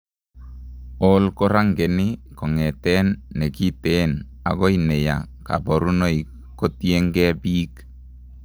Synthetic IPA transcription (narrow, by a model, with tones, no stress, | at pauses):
ɔ˦lkɔ˦ɾa˦ŋɡɛ˨nɪ˦kɔ˨ŋɛ˨tɛ˦nːɛ˨ki˦tɛn | a̰˨ɡɔ˦inɛ˨ja̰˨ | ka̰˨bɔ˨ɾu˦no˦i˨ | ko˦tiɛ˦ŋɡɛ˦biː˦k